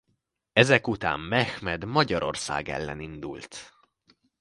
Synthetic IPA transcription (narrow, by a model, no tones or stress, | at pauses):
ɛzɛkut̪a̰ːmːɛxmɛd̪mɒɟɒɾo̞̰rsa̰ːɡɛ̰lːɛ̰nind̪ult̪